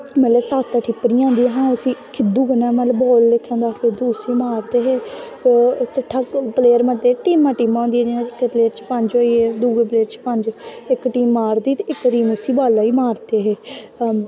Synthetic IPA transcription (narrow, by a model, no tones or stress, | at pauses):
mələsaːst̪aːʈʰipːəɾiːãːnd̪iːɛːɦãːʊsĩːkʰɪd̪uːkənaːmət̪ləbɔːlːekʰːãːnd̪aːfɪɾd̪uːsiːmaːɾt̪eːɦeː | t͡ʃəʈʰːaːpleːəɾməd̪eːʈiːmːãːʈiːmãːõnd̪iːɛːd͡ʒɪnãɪkːpleːəɾt͡ʃpəɲd͡ʒoːiːɛːd̪uːɡeːpleːɾt͡ʃpə̃ɲd͡ʒɪkʈiːmːaːɾd̪iːt̪ɪkɾiːmʊsiːbaːlaːiːmaːɾt̪eːɦeː